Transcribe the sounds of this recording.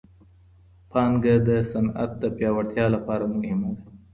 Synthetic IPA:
pʰɑnɡad̪əsana̰t̪̚d̪əpjɑwaɽt̪jɑlapɑɾamuɡɪmaɡa

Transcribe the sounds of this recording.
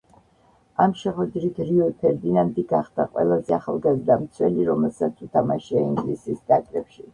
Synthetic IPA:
amʃɛχwɛd̪ɾit̪ʰɾiɔpʰɛɾd̪inand̪iɡaχd̪aqʼwɛ̰lˠazɛaχa̰lˠɡazd̪amt̪sʰwɛliɾɔmɛlˠsat̪sʰut̪ʰamaʃiaiŋɡlisisd̪akʼɾɛpʃi

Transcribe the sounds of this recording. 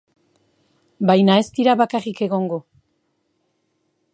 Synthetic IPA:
bajnae̞st̪iɾaβakarike̞ɣo̞ŋɡo̞

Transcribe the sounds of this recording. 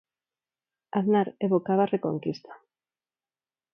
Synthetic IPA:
aðnaɾeβokaβarekoŋkist̪ʰḁ

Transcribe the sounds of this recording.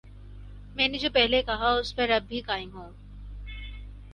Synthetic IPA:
mɛ̃ːned͡ʒoːpɛɦlekɐɦaʊspɐɾɐbːikaːɪmɦõː

